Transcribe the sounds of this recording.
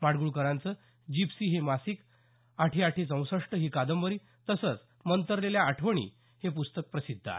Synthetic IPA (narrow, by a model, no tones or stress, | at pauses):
maɽɡuɭukəɾãnt͡sə | d͡ʑipsiːɦemasik | aʈʰiaʈʰesə̃w̃səʂʈəɦiːkad̪əmʋəɾiː | t̪əsət͡s | mənt̪əɾleljaːʈʰʋəɳḭː | hepust̪ək̚pɾəsid̪ʱːa̰